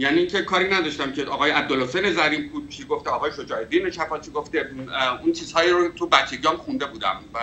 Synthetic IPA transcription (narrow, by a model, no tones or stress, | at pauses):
jæːniːŋcʰe̞kʰɒːɾiːnæd̪ɒʃt̪æmcʰeʔɒːɣɒːjeæb̚d̪olhosejne̞zæɾiːfbuːd̪̚t͡ʃʰiɡo̞ft̪eɒːɣɒːjeʃo̞d͡ʒɒːed̪ineʃʰæfɒːt͡ʃʰiɡo̞ft̪eunt͡ʃʰiːz̥hɒːjiːɾot̪ʰubæt͡ʃʰːeɡiɒmxund̪e̞buːd̪æ̰mvæ